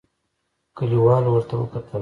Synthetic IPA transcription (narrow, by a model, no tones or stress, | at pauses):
kəliwɑlwəɾt̪awə̰kat̪ʰə